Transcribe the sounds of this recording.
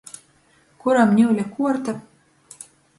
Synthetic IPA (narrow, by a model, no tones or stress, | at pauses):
kuɾamnʲuwlʲakuɔɾt̪a